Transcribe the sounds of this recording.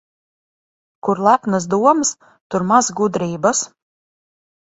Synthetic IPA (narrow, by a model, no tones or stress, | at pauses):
kuɾlˠæpnas̬d̪uɔms | t̪uɾmazɡud̪ɾiːbas